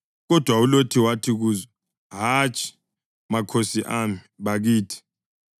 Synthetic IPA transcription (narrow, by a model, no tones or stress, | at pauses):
ɣɔd̥ʱwaulotʰiwatʰiɣ̬uːzɔ | ɦat͡ʃʼʰi̥ | makʰosiʔamiβaɣiːtʰi̥